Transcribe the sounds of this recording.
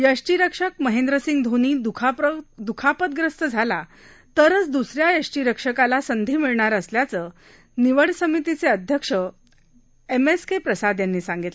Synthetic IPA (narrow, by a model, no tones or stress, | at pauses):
jəʂʈiɾəkʂəkməɦend̪ɾəsiŋɡd̪ʱoniːd̪ukʰd̪ukʰapət̪̚ɡɾəst̪əd͡zʱala | t̪əɾət͡sd̪usɾjajəʂʈiɾəkʂəkalasənd̪ʱiːmiɭɳaɾəsljat͡səː | niʋəɽsəmit̪it͡seəd̪ʱjəkʂə | emeskepɾəsad̪janːiːsãŋɡit̪l